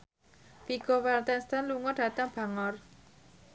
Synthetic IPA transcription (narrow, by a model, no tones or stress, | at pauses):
fiɡ̥owɛlt̪ɛnst̪anluŋɔɖ̥ä̤t̪aŋb̥a̤ŋɔr